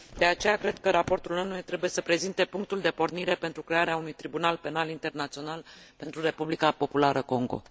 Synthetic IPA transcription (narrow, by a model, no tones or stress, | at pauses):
d̪e̞at͡ʃe̞jakɾe̞d̪kəɾapo̞rt̪ulnonuet̪ɾe̞buje̞səpɾe̞zint̪e̞puŋk̚t̪uld̪e̞po̞rniɾe̞pe̞nt̪ɾukɾe̞aɾeaunujt̪ɾibunalpe̞nalint̪e̞rnat̪sio̞nalpe̞nt̪ɾure̞publikapo̞pulaɾəko̞ŋɡo̞̰